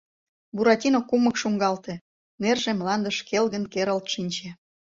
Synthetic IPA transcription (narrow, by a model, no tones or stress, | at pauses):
buɾɑt̪ʲinokːuməkʃuŋɡɑlt̪ĕ | nerʒemlɑnd̪əʃkelɣənkeɾəlt̪ʃinʲt͡ɕe